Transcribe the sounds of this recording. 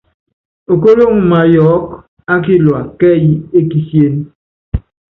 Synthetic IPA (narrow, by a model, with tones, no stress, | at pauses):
o˨ko˦lo˦ŋ̩˨ma˨jɔ˨˦k | a˦ki˦lwa˨kɛ˦ji˦e˦ki˦sje˦n